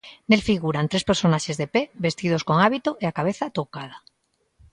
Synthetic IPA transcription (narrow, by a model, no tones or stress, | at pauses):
nelfiɣ̞uɾant̪ɾe̞speɾso̞naʃezðepeβe̞st̪ið̞osko̞ŋaβit̪oʔeakaβ̞eθat̪okað̞a